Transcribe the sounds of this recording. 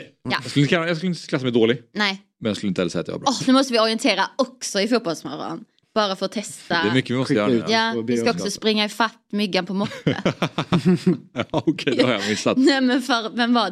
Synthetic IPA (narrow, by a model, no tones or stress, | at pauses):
ja̰jɑskɵlɪkajɑskɵləɪt̪ə̥kʰlasːamɛɪd̪oːlɪnɛɪ | mɛnjɑskɵlɪnəɛlsɛ̰jːt̪j̰ʋ̰a̰bɾnʉːmɔst̪əvɪɔɾɪɛnt̪ʰeːɾaɔksɔɪfuːt̪̚bɔlsmœ̰ɾa̰n | b̥ɑːɾafœɾɔt̪ʰɛst̪aɛɾmʏkːəvɪmɔstəjœːɾjɑːɪskkaɔkssɔspɾɪŋːaɪfat̪ːmʏɡːanpʰɔmɔt̪ːə̰ | ɔkʰɛd̪ɛhaɾjɑ̰mɪsat̪ɛmɛnfœɾmɛnva